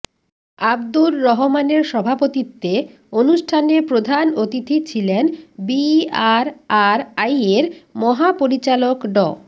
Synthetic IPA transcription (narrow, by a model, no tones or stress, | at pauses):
abd̪uɾːɔɦomaneɾʃɔbʱapot̪it̪ːe | onuʃʈʰanepɾod̪ʱanot̪it̪ʰit͡ɕʰilenbiaɾaɾajeɾmɔɦapoɾit͡ɕalokɖɔ̰